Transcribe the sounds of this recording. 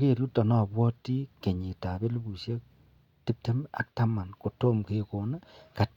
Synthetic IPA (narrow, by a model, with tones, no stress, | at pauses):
ke˦˨ɾu˦ta˨nɔ˦˨bwɔ˦ti˦ke˨ɲi˨ta˨be˦lu˦bu˨se˦k̚ | ti˦p̚te˦ma̰˨k̚ta˦ma˨nko˨to˦mke˦ko˨na˦ka˨t